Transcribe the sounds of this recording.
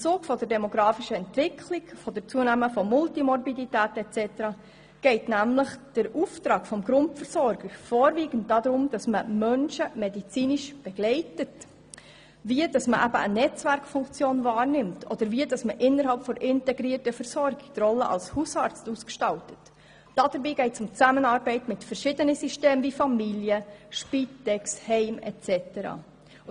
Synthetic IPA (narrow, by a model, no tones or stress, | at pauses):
ɪmt͡suːkfɔdəɾdɛmɔɡɾɑːfiʃəɛntʋɪkʰliɡfɔdəɾt͡suənæməfɔmʊltimɔrbiditæːtɛt͡sɛtəɾɑ | ɡ̥ɛɪtnæmləχd̥əɾuftɾɑːɡ̥fɔmɡɾʊntfəɾsɔɾɡ̥əɾfɔːɾviːɡ̥ən̩t̚d̥ɑdɾʊmd̥ɑsməmœnʃəmedit͡siːniʃb̥ɛɡ̥lɛɪtət | viəd̥ɑsməʔæbə̰ʔənɛt͡svæɾkfʊŋkt͡sjoːnvɑːɾnɪmtʰʔɔd̥əɾviəd̥ɑsməʔɪnːəɾhɑlpfɔɾʔɪntɛɡɾiːrtəfəɾsɔɾɡɪɡ̥̚trɔlːəʔɑ̰lshusɑːɾt͡stuskʃtɑltə̥t | d̥ɑd̥əɾbiːɡɛɪtsʊmt͡sæmənɑːɾbɛɪtmɪtfɛɾʃɪd̥ənəsyʃteːmvifɑmiljəʃpitɛkshɛɪmɛ̰tt͡sɛtəɾɑ̰ː